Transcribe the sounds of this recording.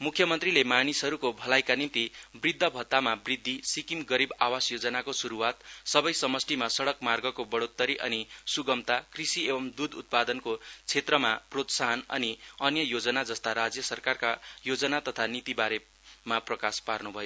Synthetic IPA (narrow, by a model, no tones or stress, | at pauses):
mukʰjʌmʌnt̪rilemanisɦʌɾukobʱʌlajkanint̪ibrid̪ʱːʌbʱʌt̪ːamabrid̪ʱːisikimɡʌɾibawasjod͡zʌnakosuɾuwat̪sʌbʌjsʌmʌsʈimasʌɽʌkmarɡʌkobʌɽot̪ːʌɾiʔʌnisuɡʌmt̪akrisiebʌmd̪ud̪ut̪̚pad̪ʌnkot͡sʰet̪rʌmaprot̪saɦʌnʌ̰niʌnjʌjod͡zʌnad͡zʌst̪aɾad͡zjʌsʌrkarkajod͡zʌnat̪ʌt̪ʰanit̪ibaɾe | maprʌkasparnubʱʌjo